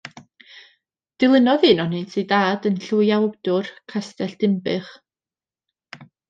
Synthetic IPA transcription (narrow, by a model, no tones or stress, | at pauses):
d̥ɪlˠɪnɔðɨːnɔnetʰidaːdənɬujawd̥ʊrkʰastɛɬd̥ɪmbɨχ